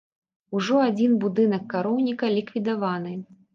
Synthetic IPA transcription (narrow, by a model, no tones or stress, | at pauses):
uʐɔad͡zʲinbud̪ɨnɐkːaɾɔwnʲikɐlʲikvʲid̪avanɨ